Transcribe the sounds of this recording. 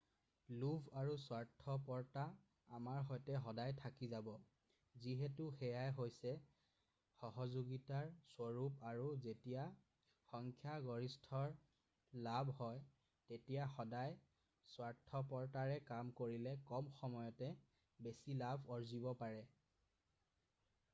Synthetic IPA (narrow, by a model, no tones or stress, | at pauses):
lubʱaɹuswaɹtʰɔpɔɹtaː | maɹɦɔjtɛɦɔdajtʰakizabɔ | ziɦɛtuxɛjajɦojsɛ | xɔɦɔzoɡitaɹswɔɹupaɹuzetija | xɔŋkʰjaɡɔɹistʰɔɹ | labʱhɔj | tetijaxɔdaj | swaɹtʰːɔpɔɹtaɹɛkamkoɹilɛkɔmxɔmɔjɔtɛ | besilabʱɔɹzibɔpaɹɛ